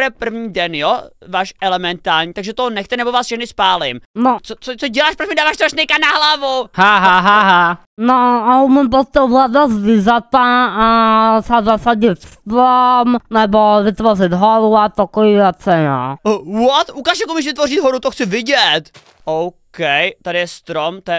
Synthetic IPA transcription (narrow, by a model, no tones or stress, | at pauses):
ɾɛpr̩vɲiːdɛnjovaːʃɛlɛmɛnt̪aːɾɲiːt̪aɡʒɛt̪onɛxt̪ɛnɛbovaːsʃɛxndɪspaːlɪmnot͡sot͡sot͡soɟɛlaːʃpɾot͡ʃmɪdaːvaːʃt̪oaʃnɛjkanaɦlavuhaɦaɦaɦa | noaumɛmpost̪ɛɦladazvɪzat̪aasazasaɟɪt̪st̪ɾomnɛbovɪt̪vorɪt̪ɦoɾuat̪okojivat͡sɛna̰wɔt̪ukaːʃjakomiʃ̬vɪt̪vorɪt̪ɦoɾut̪oxt͡sɪvɪɟɛt̪ | owkɛjt̪adɪjɛst̪ɾomt̪ojɛ